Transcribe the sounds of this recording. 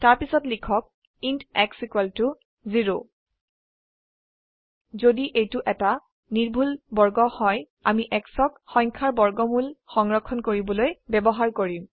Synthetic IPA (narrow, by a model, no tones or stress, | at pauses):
taɹpisɔtlikʰɔk̚ | intɛksikwɛltu | ziɹo | zodiʔejtʊʔɛta | niɹbʱulbɔɹɡɔhɔj | amiʔɛksɔkxɔjŋkʰaɹbɔɹɡɔmulxɔŋɹɔkʰːɔnkoɹibɔlojbɛbɔɦaɹkoɹim